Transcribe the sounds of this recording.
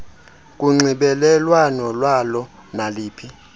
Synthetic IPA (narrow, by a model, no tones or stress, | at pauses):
k̬ʼuŋ͡ǀiɓɛlɛlwanɔlwalɔ | naliːpʰi